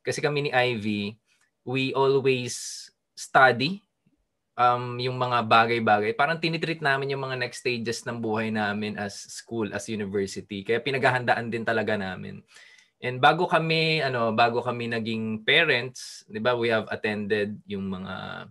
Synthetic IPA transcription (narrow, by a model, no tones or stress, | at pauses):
kɐsɛkɐmɛniʔajvi | wiʔolwɛjsː | t̪ad̪i | ʔɐmjʊŋmɐŋabaːɡɐjbaːɡɐjpaːɾɐŋt̪ɪnit̪ɾit̪̚naːmɪnjʊŋmɐŋanɛkst̪ejd͡ʒɛsnɐŋbuːhɐjnaːmɪnʔɐsːkulʔɐ̰sjunɪvɛɹsɪt̪ikɐjapɪnɐɡaːɦɐnd̪aʔɐnd̪ɪnt̪ɐlɐɡanaːmɪ̰n | ʔɛn̚baːɡo̞kɐmɛɐno̞baːɡo̞kɐmɛnɐɡɪŋpɛːɹɛnt̪sd̪ɪbawihɐvɐ̰t̪ɛ̃nd̪ɛd̪̚jʊŋmɐŋa̰